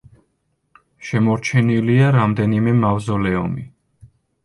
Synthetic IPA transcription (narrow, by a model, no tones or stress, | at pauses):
ʃɛmɔɾt͡ʃʰɛniliaɾamd̪ɛnimɛmavzɔlɛɔ̰mi